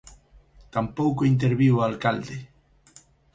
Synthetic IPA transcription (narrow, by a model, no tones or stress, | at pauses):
t̪ampowkoint̪̬eɾβiwalkald̪e